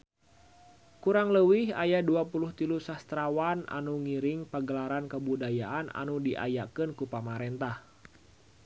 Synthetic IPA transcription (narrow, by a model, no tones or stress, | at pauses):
kuɾaŋləwɪhajaduapuluht̪ilusast̪ɾawana̰nuŋiɾɪŋpəɡəlaɾankəbudajaʔana̰nudiʔa̰jakɨnkupamaɾɛnt̪ah